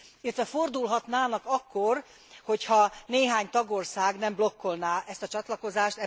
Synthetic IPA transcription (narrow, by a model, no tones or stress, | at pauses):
ilːɛt̪ʋɛfo̞rd̪ulɦɒt̪naːnɒkɒkːor | ho̞chɒneːɦaːɲt̪ɒɡo̞rsaːɡnɛmblo̞kːo̞lnaːʔɛst̪ɒt͡ʃɒt̪lɒko̞zaːʃt̪ɛ